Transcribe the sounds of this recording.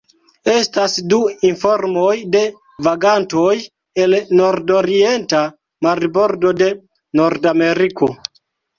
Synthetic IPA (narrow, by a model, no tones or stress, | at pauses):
e̞stasduinfo̞ɾmo̞jde̞ | vaɡanto̞j | e̞lno̞ɾdo̞ɾie̞nta | maɾbo̞ɾdo̞de̞ | no̞ɾdame̞ɾikʰo̞